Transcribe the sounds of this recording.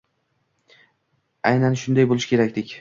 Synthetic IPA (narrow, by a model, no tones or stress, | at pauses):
ajnanʃʊnd̪ajbolˠɪʃkʲe̞ɾakʲd̪ɪkʲ